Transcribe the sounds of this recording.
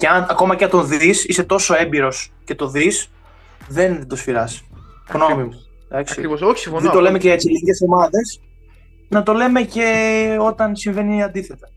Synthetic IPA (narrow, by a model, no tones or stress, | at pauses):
ceɐnɐko̞mɐcɐt̪o̞nðisise̞t̪o̞so̞e̞mbiɾo̞sce̞t̪oðis | ðe̞nd̪osfiɾɐs | ɣnomimu | d̪ɐksiðet̪o̞le̞meceet͡siliɟesðomɐðe̞s | nɐt̪o̞le̞me̞ce̞o̞t̪ɐnsiɱve̞niɐnd̪iθe̞t̪ɐ